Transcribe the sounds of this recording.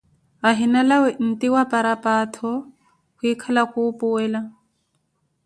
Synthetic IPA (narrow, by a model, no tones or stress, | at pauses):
aɦɪnalawɛn̩tʼɪwapʼaɾapʼaːtʰɔ | hʊikʰalakʊːpʼʊwɛːla